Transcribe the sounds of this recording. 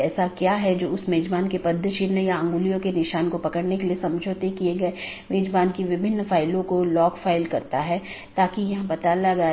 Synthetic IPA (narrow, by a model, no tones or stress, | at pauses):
ɛːsakjaːɦɛd͡ʒoːʊsmeːd͡ʒbaːnkepɐd̪ʱːəʃɪɾnəjaɐ̃ŋɡʊlijõkenɪʃaːnkopɐkəɽnekeliesɐ̃md͡ʒʱoːt̪ekieɡɐe | meːd͡ʒbaːnkeʋɪbʱɪnːfaːɪlõkolɔːkfʰaːɪlkɐɾt̪aɦɛ | t̪aːkijɐɦãbɐt̪alɐɡa